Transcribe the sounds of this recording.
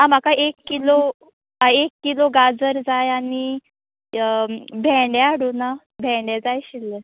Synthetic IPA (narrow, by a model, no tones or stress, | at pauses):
ɦãm̤akaʔekːilo | aekːiloɡad͡zəɾd͡zajani | bʱɛ̃ɖɛaɽuna | bʱɛ̃ɖɛd͡zajɕilːe